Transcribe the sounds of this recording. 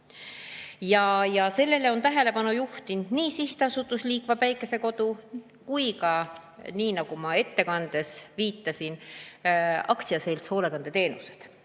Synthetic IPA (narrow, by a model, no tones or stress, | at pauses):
jɑjɑse̞lːe̞leo̞nt̪æɦe̞le̞pɑnujuht̪ind̪̥niːsiht̪eɑsut̪ːˑusliːkvɑpæjkːˑe̞se̞ko̞d̪̥u | kujkɑniːnɑɡ̥umɑe̞t̪ːe̞kɑnd̪̥e̞sviːt̪ːˑɑsin | ɑ̰kt̪siɑse̞jlt̪so̞ːle̞kɑnd̪̥e̞t̪e̞ːnuse̞d̪̥